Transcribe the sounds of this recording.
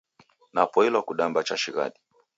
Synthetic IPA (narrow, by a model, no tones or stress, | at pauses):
napɔilwakuɗambat͡ʃaʃiɣa̰ɗi